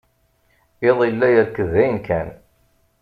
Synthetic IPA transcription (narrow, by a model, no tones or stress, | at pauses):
eðˤilːæjəɾkːəðæjənkʰæn